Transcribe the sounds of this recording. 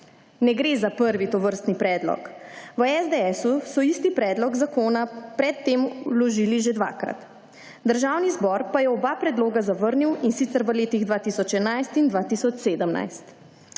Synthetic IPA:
nɛɡɾeːzapəɾʋit̪ɔʋəɾst̪nipɾɛːd̪lɔ̰kʋəɛzd̪eɛsusɔist̪ipɾɛːd̪lɔɡzakoːnapɾɛt̪ːeːmulɔʒiliʒed̪ʋa̰ːkɾa̰t̪ | d̪əɾʒaːwnizbɔɾpajɛɔbapɾɛd̪loːɡazaʋəɾniwinsit̪səɾʋəleːt̪iɣd̪ʋaːt̪isɔt͡ʃɛnajst̪ind̪ʋat̪isɔt͡ʃseːd̪əmna̰jst̪

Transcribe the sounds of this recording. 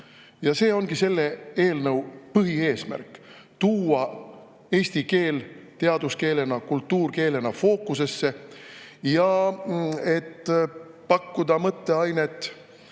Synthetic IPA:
jɑse̞ːo̞nɡ̥ise̞lːe̞e̞ːlnɤwpɯɦie̞ːsmæ̰rkːˑ | t̪uːɑ | e̞ːst̪ike̞ːlt̪e̞ɑd̪̥uske̞ːle̞nɑkult̪ːuːrke̞ːle̞nɑfo̞ːkːˑuse̞sːe̞ | jɑ | e̞t̪ː | pɑkːud̪̥ɑmɤt̪ːe̞ɑjne̞t̪ːˑ

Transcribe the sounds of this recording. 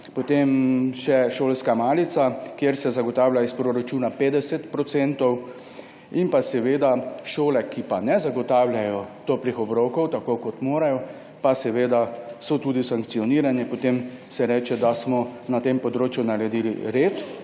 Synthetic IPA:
pɔt̪emʃɛʃoːlskamaːlit̪sakjeɾsɛzaɡɔt̪aːwlʲjaispɾoɾat͡ʃuːnapeːd̪ɛsɛt̪pɾɔt̪sɛnt̪ɔw | impasɛʋeːd̪aʃoːlɛkipanɛzaɡɔt̪aːwlʲjajɔt̪ɔplixɔbɾɔkɔwt̪akokɔt̪moːɾajɔ | pasɛʋeːd̪asɔt̪uːd̪isaŋk̪̚siɔniːɾanɛpɔt̪em | sɛɾɛːt͡ʃɛd̪asmɔnat̪empɔd̪ɾoːt͡ʃjunaɾɛd̪iːlḭɾeːt̪

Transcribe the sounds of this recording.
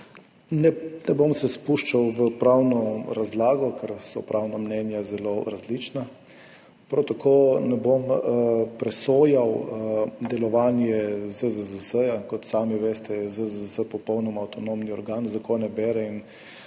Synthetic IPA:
nɛnɛbomsɛspuʃt͡ʃawʋəpɾawnɔɾazlaːɡɔkʰɛɾsɔ̰pɾʔawnamnɛnjazɛloɾazlit͡ʃna | pɾawt̪akʰoːnɛbompɾɛsoːjaw | d̪ɛlɔʋaːnjɛzəzəzəsəjakɔt̪saːmiʋeːst̪ɛzəzəsəpɔpɔwnɔmaːwt̪ɔnomniɔɾɡaːnzakonɛbɛːɾɛin

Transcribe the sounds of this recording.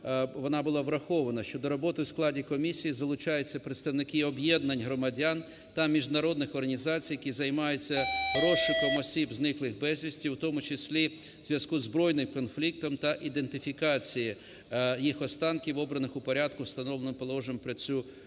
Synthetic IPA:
ʋɔnɑbʊlˠɑʋɾɐxɔʋɐnɐʃt͡ʃɔd̪ɔɾɔbɔt̪ɪwsklˠɑdʲikɔmʲisʲijizɐlˠʊt͡ʃɑjet͡sʲːɐpɾɪt̪st̪ɐʋnɪkɪɔbjɛd̪nɐnʲɦɾɔmɐdʲan | t̪ɐmʲiʒd̪nɐɾɔd̪nɪxɔrɦɐnʲizɑt͡sʲijɐkʲizɐjmɑjʊt͡sʲːɐɾɔʃɪkɔmɔsʲibznɪklˠɪxbɛzʲʋʲisʲtʲiwt̪ɔmʊt͡ʃɪsʲlʲi | z̥ʲʋʲjɐskuzbɾɔjnɪmkɔnflʲik̚t̪ɔmt̪ɐʔid̪ent̪ɪfʲikɑt͡sʲiji | jixɔst̪ɑnkʲiʋɔbɾɐnɪxʊpɔɾʲad̪kʊwst̪ɐnɔlˠenɪmpɔlˠɔʒɪmpɾɪt͡sʲu

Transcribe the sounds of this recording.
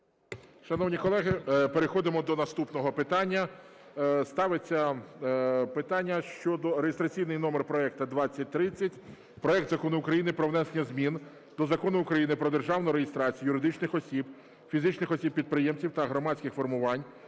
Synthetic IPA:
ʃɐnɔwnʲikɔlˠɛɦɪpeɾexɔd̪ɪmɔd̪ɔnɐst̪upnɔɦɔpɪt̪ɑnʲːɐ | st̪ɑʋet͡sʲːɐ | pɪt̪ɑnʲːɐʃt͡ʃɔd̪ɔɾejest̪ɾɐt͡sʲijnɪjnɔmerpɾɔɛk̚t̪ɐd̪ʋɑt͡sʲːɐt̚ʲt̪ɾɪt͡sʲːɐtʲ | pɾɔɛk̚t̪zɐkɔnʊʊkɾɐjinɪpɾɔwnɛsenʲɐzmʲin | d̪̥ɔzɐkɔnʊʊkɾɐjinɪpɾɔd̪erʒɑwnʊɾejest̪ɾɑt͡sʲijɐjʊɾɪd̪ɪt͡ʃnɪxɔsʲib | fʲizɪt͡ʃnɪxɔsʲip̚pʲːid̪̚pɾɪjemt͡sʲiwt̪ɐɦɾɔmɑt͡sʲkɪxfɔrmʊʋɑnʲ

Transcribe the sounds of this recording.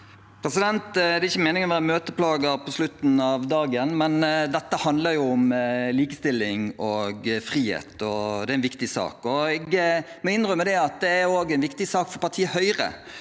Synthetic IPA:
pʰɾɛsɪd̪ɛnt̪d̪ɛɾɪçːəmɛːnɪŋɔmʋæːɾəmøːt̪əpʰlɑːɡəpʰɔslʉt̪ːn̩ɑʋd̪ɑːɡənmɛnd̪ɛt̪ːəhɑnd̪ləɾjʊʊmliːkəst̪ɪlːɪŋɔɡfɾiːhḛːt̪ɔd̪ɛæɾɛnʋɪkt̪ɪsɑ̰ːkɔɛɡmɔɪnːʁœmɛd̪ɛɑt̪̚d̪ɛæɾoːɡɛɪnʋɪkt̪ɪsɑːkfɔɾpɑɾt̪ʰiːəhœʏɾə̰

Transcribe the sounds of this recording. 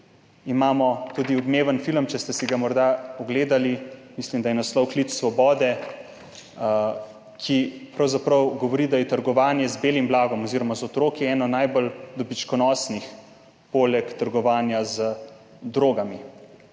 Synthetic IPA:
imaːmɔt̪uːd̪iɔbmeːʋənfiləmt͡ʃɛst̪ɛsiɡamɔɾd̪aɔɡleːd̪alimislimd̪ajɛnaslɔwklit͡ssʋɔbɔːd̪ɛ | kʰipɾawzapɾəwɡɔʋɔɾid̪ajɛt̪əɾɡɔʋaːnjɛzbeːlimblaːɡɔmɔziːɾɔmazɔt̪ɾoːkiɛːnɔnajbɔld̪ɔbit͡ʃkɔnɔsnix | polɛkt̪əɾɡɔʋaːnjazə | d̪ɾoːɡami

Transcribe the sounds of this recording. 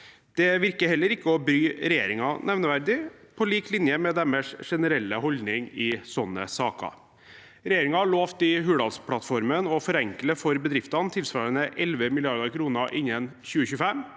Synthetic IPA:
d̪̥ɛʋɪɾkəhɛlːəɾɪkːəɔbɾyːɾɛjeːɾɪŋɑnʔɛʋnəʋæɾd̪ɪpʰɔliːklɪnjəmɛd̪ɛməʂʂɛnəɾɛlːəɦɔld̪nɪŋɪsɔnːə̰sɑːkɑ̰ | ɾɛjeːɾɪŋɑɭoːft̪ɪɦʉːɽɑlspʰɽɑt̪fɔɾmənɔfɔɾɛŋkləfɔɾbəd̪ɾɪft̪ɑnt̪ʰɪlsʋɑːɾənəʔɛlʋəmɪlɪɑɾd̪ɑɾkʰɾuːnəʔɪnːənçʉːəçʉːfɛm

